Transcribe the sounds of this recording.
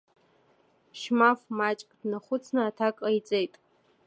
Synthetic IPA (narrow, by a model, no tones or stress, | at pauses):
ʃmafmat͡ʃʼkʼdnaχʷʊt͡sʰnɨatʰakʼajt͡sʼejtʼ